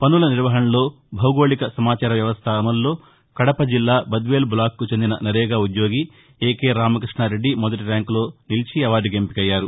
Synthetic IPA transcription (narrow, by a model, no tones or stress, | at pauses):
pɐnulɐniɾʋɐɦɐɳɐlo̞ː | bʱɐwɡo̞ːɭikɐsɐmaːt͡ʃaːɾɐʋjɐʋɐst̪ʰaːmɐlːo̞ː | kɐɽɐpɐd͡ʒilːaːbɐd̪ʋe̞ːlblaːkːut͡ʃend̪inɐ̰nɐɾɛːɡaːud̪jo̞ːɡi | eːkeːɾaːmɐkɾiʂɳaːɾe̞ɖːimɔd̪ɐʈ̬iɾaːŋklo̞ːnilt͡ʃiɐʋaːɖiɡempikɐjːaːɾu